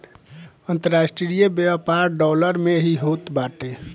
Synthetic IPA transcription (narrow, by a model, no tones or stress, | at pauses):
ənt̪əɾasʈɾɾijebepaɾɖɔləɾmeɦiɦot̪baʈe